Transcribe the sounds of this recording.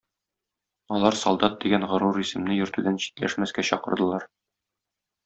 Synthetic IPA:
ɒlˠɑɾsɒlˠd̪ɑt̪̚d̪iɡænʁɤ̆ɾuɾisɘ̆mnɘjɵ̆ɾt̪ʉd̪ænɕi̥t̪læ̰ʃmæskæɕɒqɤ̆ɾd̪ɤ̆lˠɑɾ

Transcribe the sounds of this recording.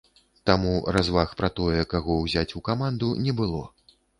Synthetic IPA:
t̪amuɾazvaxpɾat̪ɔjɛkaɣɔwzʲat͡sʲukamand̪unʲɛbɨlˠɔ̰

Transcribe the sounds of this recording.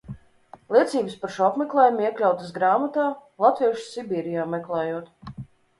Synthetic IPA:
lˠiɛt̪siːbɨspaɾʃuapmɛklˠɛːjumiɛklʲawt̪əsɡɾaːmat̪aːlˠat̪viɛʃsibiːɾijaːmɛklˠɛːjuɔt̪

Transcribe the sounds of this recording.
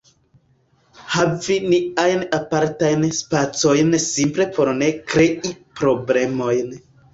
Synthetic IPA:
haviniajnapaɾtajnspat͡so̞jnsimple̞po̞ɾne̞kɾeʔipɾo̞ble̞mo̞jn

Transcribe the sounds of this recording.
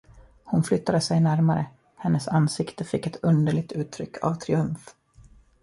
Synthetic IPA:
hʊnflʏt̪ːad̪əsɛjnæɾmaɾə̰ | hɛnːəsansɪkt̪əfɪkːɛt̪ʰɵnd̪əɭɪk̚t̪ʉ̟ːt̪ʰːɾʏkːʰa̰vt̪ʰɾɪɵmf

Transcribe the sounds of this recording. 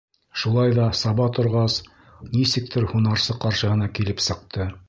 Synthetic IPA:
ʃulˠɑjðɑsɑβɑt̪ŏɾʁɑs | nisɘ̆k̚t̪ʰɘɾhunɑɾsɤqɑɾʃɤ̆hɤ̆nɑkilɘpsɤ̆q̚t̪ɤ

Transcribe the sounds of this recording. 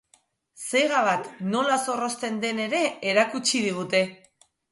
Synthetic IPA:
se̞jɣaβ̞at̪no̞laso̞ro̞st̪e̞nd̪e̞ne̞ɾe̞ːɾakut͡ʃiðiɣ̞ut̪e̞

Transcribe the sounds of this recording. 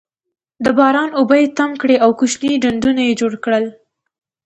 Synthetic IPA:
d̪əbɑɾɑnobəjet̪amkɽeawkuʃniɖaɳd̪unajed͡ʒoɽkɽəl

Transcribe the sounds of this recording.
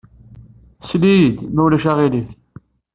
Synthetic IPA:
slid̪mæwlæʃæʁiliθ

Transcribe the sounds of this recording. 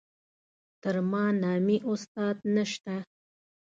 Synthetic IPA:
t̪əɾmɑnɑmiʔʊst̪ɑd̪̚naʃt̪a

